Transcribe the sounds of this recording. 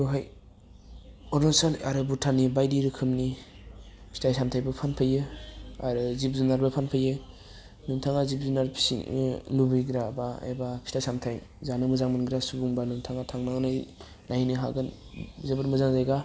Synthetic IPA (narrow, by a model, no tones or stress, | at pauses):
ɾuɦaj | ɔnɔsalaɾɯbutʰanibajdiɾɯkʰɯmni | pʰi̥tʰajsamtʰajbɯpʰanpʰajɯa̰ɾɯzip̚zunaɾbɯpʰanpʰajɯ | numtʰaŋazip̚zunaɾpʰi̥sḭlubijɡɾabaḛbapʰi̥tʰajsamtʰaj | zanɯmɯzaŋmɯnɡɾasuɡuŋbanuŋtʰaŋatʰaŋnaŋnɯj | najnɯɦaɡɯnzebɯɾmɯzaŋzajɡa